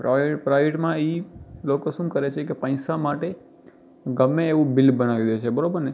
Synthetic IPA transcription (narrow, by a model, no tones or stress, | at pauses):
pɾaepɾajʋeʈmãilokosũmkəɾet͡ʃʰekepə̃ĩsamaʈe | ɡəmːeːʋũbɪlbəñaʋid̪ət͡ʃʰebəɾobəɾne